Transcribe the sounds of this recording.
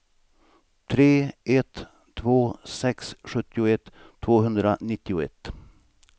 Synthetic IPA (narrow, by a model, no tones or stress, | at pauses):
t̪ʰɾeːɛt̪ʰː | voːsɛksɧɵt̪ːɪʊɛt̪ʰː | voːɦɵnd̪ɾanɪt̪ːɪʊɛ̰t̪ː